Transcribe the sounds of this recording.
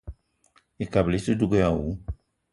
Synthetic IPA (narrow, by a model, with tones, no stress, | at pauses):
i˨ka˨bli˦si˦du˦ɡo˦ja˨wu˨˦